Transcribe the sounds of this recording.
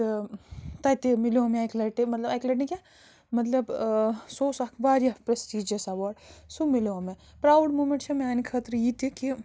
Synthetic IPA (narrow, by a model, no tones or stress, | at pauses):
t̪ɐjt̪emiliomeajklɐʈimɐt̪lɐbɐjklɐʈnike | mɐt̪lɐbsoːsɐkʰʋaːɾjɐpɾɐsʈiːd͡ʒɐsɐʋaːɖsumiloɐme | pɾaːwɖmuːmẽɳʈt͡ʃʰɐmeaːnikʰɐt̪ɾjit̪iki